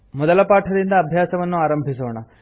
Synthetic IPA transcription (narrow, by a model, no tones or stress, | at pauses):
mɔd̪ɐlɐpaːʈʰɐd̪ind̪ɐːbʱjaːsɐʋɐnːuaːɾɐmbʱisoːɳɐ